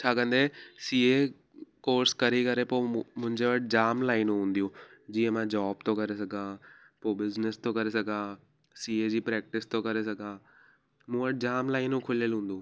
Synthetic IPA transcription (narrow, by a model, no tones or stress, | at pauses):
t͡ɕʰaːkɐ̃nd̪esiːe | koːɾskɐɾikɐɾepoːmʊ̃ɦɪ̃ɲd͡ʑeʋɐʈʰd͡ʑaːmlaːɪnũɦũːnd̪ijũːd͡ʑiːə̃mãd͡ʑaːb̚t̪okɐɾes̬ɐɡʱãː | poːbɪznɪst̪okɐɾesɐɡʱãː | siːed͡ʑiːpɾɛːk̚ʈɪst̪okɐɾes̬ɐɡʱãː | mũːʋɐʈ̚d͡ʑaːmlaːɪnũkʰʊlijəlɦũːn̆d̪uː